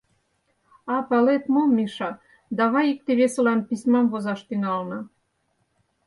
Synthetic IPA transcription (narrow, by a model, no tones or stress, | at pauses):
ɑpɑlet̪momʲːiʃɑ | d̪ɑβɑjik̚t̪eβesɤ̆lɑnpisʲmɑmvozɑʃt̪yŋɑlnɤ̆